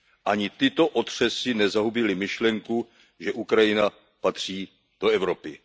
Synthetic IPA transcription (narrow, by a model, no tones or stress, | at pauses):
ʔaɲɪt̪ɪt̪o̞ʔot̪r̥ɛsɪnɛzaɦubɪlɪmɪʃlɛŋku | ʒɛʔukɾajɪna | pat̪r̝̥iː | d̥o̞ɛvɾo̞pɪ